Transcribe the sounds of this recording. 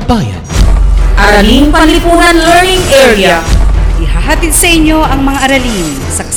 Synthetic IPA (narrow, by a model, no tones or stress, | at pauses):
baːja̰nʔɐɾɐliŋpɐnlɪpuːnɐnlɛɹnɪŋʔɛɹiaɪhaɦaːt̪ɪd̪̚sɐʔɪɲːo̞ʔɐŋmɐŋaʔɐɾɐliŋ | sɐk